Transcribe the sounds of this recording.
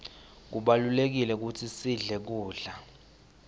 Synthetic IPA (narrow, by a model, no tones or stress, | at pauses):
k̬uɓalulek̬ilɛk̬utʰisiɮɛk̬uːɮa